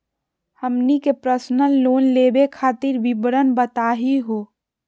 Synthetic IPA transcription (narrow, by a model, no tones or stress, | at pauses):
həmnikepɾəsnəlloːnleːbekʰaːt̪ɪɾʋɪbɽənbət̪aːɦiɦoː